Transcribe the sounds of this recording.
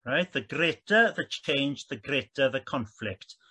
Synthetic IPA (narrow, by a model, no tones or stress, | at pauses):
ɹaɪtðəɡɾɪtəðət͡ʃʰẽɪ̃nd͡ʒðəɡɾɛtəðəkʰɔ̃nflɪk̚t